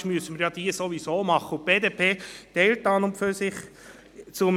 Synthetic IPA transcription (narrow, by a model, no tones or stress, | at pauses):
ʃmyəsəməɾjɑd̥̪iəsoʋisoːmɑχːəʊp̚b̥eːd̪eːpʰeːtɛltɑːnʊmpføsɪχ | t͡sʊm